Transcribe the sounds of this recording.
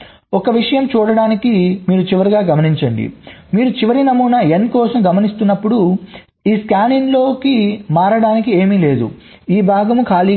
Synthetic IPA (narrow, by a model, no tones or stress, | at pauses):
ɔkɐʋiʂɐjɐmt͡ʃuːɽɐɽaːnikimiːɾut͡ʃiʋɐɾiɡaːɡɐmɐniɲt͡ʃɐɳɖḭmiːɾut͡ʃiʋɐɾinɐmːunɐenkɔːsɐmɡɐmɐnist̪unːɐpːuɽu | iːskaːninlo̞ːkimaːɾɐɽaːnikie̞ːmile̞ːd̪ṵ | iːbʱaːɡɐmukʰaːliː